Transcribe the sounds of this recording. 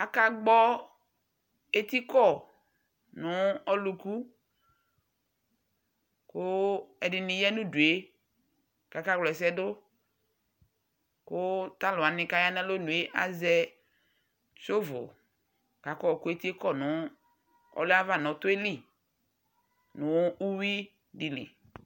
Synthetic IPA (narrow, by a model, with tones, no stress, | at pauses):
a˨ka˦ɡ͡bɔ˦ | e˦t̪i˦kɔ˦˨ | nʊ˨˦ɔ˦lu˨ku˦ | kʊ˦ɛ˨dɪ˨nɪ̃˨jɛ˦nũ˦du˨e˨˦ | ka˨ka˦ɡ͡blɔ˨ɛ˨s̬ɛ˦dʊ˦ | kʊ˦ta˦lʊ˨a˨nɪ̃˦ka˦ja˦na˦lo˦nũ˨e˨˦ʔa̰˦zɛ˦ | t͡ʃo˦vʊ̰˨ | ka˨kɔ˦˨ku˦e˦ti˦e˦kɔ˦˨nʊ̃˨˦ | ɔ̰˦lʊ˦a˦va˦˨nɔ̃˨tʊ˦e˦li˨ | nʊ̃˨˦u˦wi˦ | di˨lḭ˨